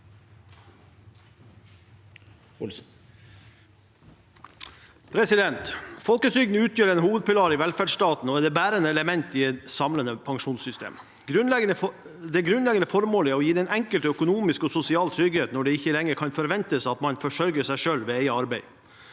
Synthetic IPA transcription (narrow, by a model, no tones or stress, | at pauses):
pʰɾɛsɪd̪ɛnt̪fɔlkət̪ʰɾʏɡd̪n̩əʉːt̪ʰjøːɾɛnɦuːʋəd̪̚pʰɪlɑːɾɪʋɛlfæɖst̪ɑːt̪n̩ɔɛd̪ɛbæːɾənəɛləmɛnt̪iɛt̪sɑmlənəpʰɑŋʂuːnsʏst̪ḛːm | ɡɾʉɛ | d̪ɛɡɾʉnlɛɡənəfɔɾmoːləɔjiːd̪ɛnʔɛŋkəlt̪œkʊnuːmɪskɔsʊsɪɑːlt̪ʰɾʏɡheːt̪nɔɖɛɪçːəlɛŋːəɾkʰɑnfɔɾʋɛnt̪əsɑt̪mɑnfɔʂœɾɡəsæɪʂøːlʋeːeɪəɑɾbæɪ